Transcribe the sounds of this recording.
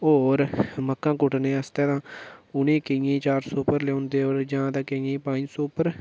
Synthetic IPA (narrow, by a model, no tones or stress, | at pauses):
oːɾməkːãːkʊʈnẽːəst̪ẽːt̪ãːʊnẽːkejẽːt͡ʃaːɾsoːpəɾleõːnd̪eːoːɾd͡ʒãːd̪ãːkejẽːpãːsoːpəɾ